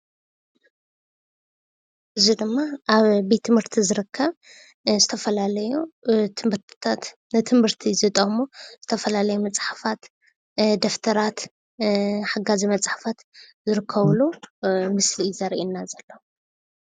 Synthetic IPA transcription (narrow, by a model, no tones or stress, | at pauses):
ʔɨzid̪ɨmːaʔaβbet̪ʰːɨmhɨɾt̪ʰizɨɾɨkʰːɐβ | zɨt̪ʰɐfɐlalɐjut̪ʰmɨɾt̪ʰt̪ʰat̪ | nɨt̪ʰɨmɨɾt̪ʰizɨt̪ʼɐmoz̥ɨt̪ʰɐfɐlalɐjumɐt͡sʼħafat̪ | d̪ɐft̪ʰɐɾat̪ | ħaɡazimɐt͡sʼħḁfat̪zɨɾɨkʰːɐβlumɨslizɐɾʔinːazɐlːɐ